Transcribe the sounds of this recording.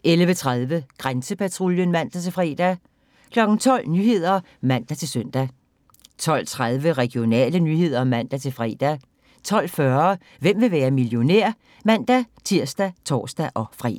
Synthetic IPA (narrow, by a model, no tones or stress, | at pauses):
ʔelʋət͡sʰʁaðˠʋəɡ̥ʁansəpʰæt͡sʰʁuljənmæn̰d̥æt͡sʰe̝lfʁɛ̰ːd̥æ | kʰlɒ̽ɡ̥n̩t͡sʰɒ̽l̰nyːhe̝ð̞̰ˠɐ | mæn̰d̥æt͡sʰe̝lsøn̰d̥æ | t͡sʰɒ̽l̰t͡sʰʁaðˠʋəʁɛɡ̥io̝nɛ̰ːlənyhe̝ð̞̰ˠɐmæn̰d̥æt͡sʰe̝fʁɛ̰ːd̥æ | t͡sʰɒ̽l̰fɶɐ | ʋem̰ʋe̝ʋæːɐmiljo̝nḛɐ̰ | mæn̰d̥æt͡sʰiɐ̰sd̥æt͡sʰɒ̰ːsd̥æʔɒ̽fʁɛ̰ː